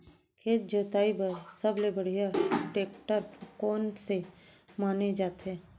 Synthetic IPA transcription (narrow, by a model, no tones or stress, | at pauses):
kʰeːt̪̚d͡ʒəːt̪aːibasəblebəɽ̤ijaʈeːkʈəɾpʰkɔːnsemaːned͡ʒaːt̪ɛ̃ː